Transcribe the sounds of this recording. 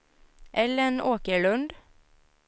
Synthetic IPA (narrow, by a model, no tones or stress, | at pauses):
ʔɛlɾeːnoːkəɭʉnd̪